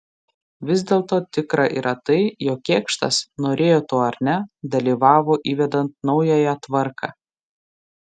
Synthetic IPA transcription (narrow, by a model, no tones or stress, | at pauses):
ʋʲɪzʲd̪ʲeːlˠt̪oːt̪ʲɪkɾɐʔḭɾʔɐt̪ɐɪjoːkʲːkʲeːkʃt̪ɐ̰snoːɾʲeːjoːt̪oːɐɾʲnʲɛd̪ɐlʲiːʋɑːʋoːʔiːʋʲɛd̪ɐnt̪̚nɒʊjɛjɛt̪ʋɐɾkʰɑ̰ː